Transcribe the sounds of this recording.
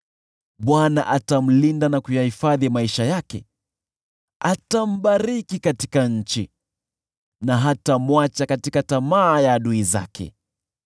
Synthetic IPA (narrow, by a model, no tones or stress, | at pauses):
ɓwana̰ʔatam̩lindanakujahifaðimaiʃajakɛ̰ | atam̩ɓaɾikikati̥kaɲ̩t͡ʃi | naɦatamwat͡ʃakatikatamaːjaːɗuiza̰kʰɛ̰